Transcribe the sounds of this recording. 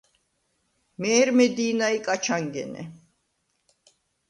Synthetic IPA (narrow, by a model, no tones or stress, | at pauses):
mɛːɾmɛd̪iːnaikʼat͡ʃʰaŋɡɛ̰nɛ̰